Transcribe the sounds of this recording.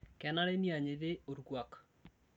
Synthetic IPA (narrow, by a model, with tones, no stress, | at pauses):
kɛ˨na˦ɾe˦ni˦a˨ɲɪ˨ðɪ˦o˨ɾɡwa˨k